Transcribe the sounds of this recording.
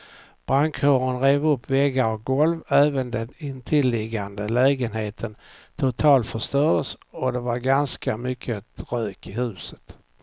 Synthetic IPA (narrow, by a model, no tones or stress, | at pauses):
b̥ɾaŋkʰhoːɾənɾeːvɵpʰːvɛɡːaɔk̚ɡɔlvæːvənd̪ɛnɪnt̪ʰɪlːɪɡand̪əlɛːɡənheːt̪ʰənt̪ʰʊt̪ʰɑːlt̪fœʂt̪œːd̪əsɔd̪ɛvaɾɡanskamʏkʰːəɾøːkɪhʉ̟ːsə̥t̪